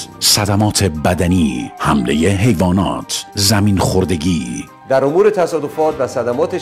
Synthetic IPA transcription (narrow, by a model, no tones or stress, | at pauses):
sæd̪æmɒːt̪ʰe̞bæd̪æniːhæmleje̞ɦe̞jvɒːnɒ̰ːt̪ʰzæmiːnχoɾd̪e̞ɟiː | d̪æɾomuːɾet̪ʰæsɒːd̪ofɒːt̪væsæd̪æmɒːt̪ʰe